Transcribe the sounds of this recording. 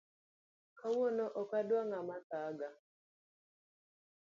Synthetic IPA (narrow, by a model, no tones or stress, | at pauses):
kawonoʔɔkadwaŋamasaɡa